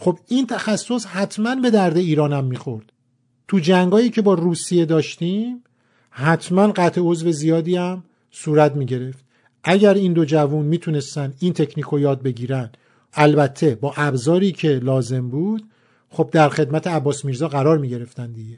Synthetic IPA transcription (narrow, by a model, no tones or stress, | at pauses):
xo̞bint̪ʰæxæsːo̞shæt̪ʰmænbe̞d̪æɾd̪e̞iːɾɒːnæmːiːxo̞ɾd̪̥ | t̪ʰud͡ʒæŋɡɒːjiːcʰe̞bɒːɾuːsije̞d̪ɒːʃt̪iːm | hæt̪ʰmænɢæt̪ʰe̞o̞zve̞zijɒːd̪iːæm | suːɾæt̪miːɟe̞ɾe̞ft̪ | ʔæɟæɾiːnd̪o̞d͡ʒævunmiːt̪ʰune̞st̪ænd̪int̪ʰe̞cʰniːkʰojɒːd̪̚be̞ɟiːɾænd̪ | ælbæt̪ʰːe̞bɒːʔæbzɒːɾiːcʰe̞lɒːze̞mbuːd̪̥ | χo̞b̚d̪æɾxe̞d̪mæt̪ʰeæbːɒːsmiɾzɒːɣæɾɒːɾmiːɟe̞ɾe̞ft̪ænd̪iɟe